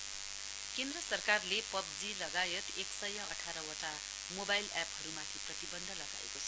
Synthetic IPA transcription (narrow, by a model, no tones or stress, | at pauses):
kend̪rʌsʌrkarlepʌb̚d͡zilʌɡajet̪eksʌjʌʌʈʰaɾʌwoʈa | mobajlaphʌɾumat̪ʰiprʌt̪ibʌnd̪ʱʌlʌɡa̰ḛkot͡sʰʌ̥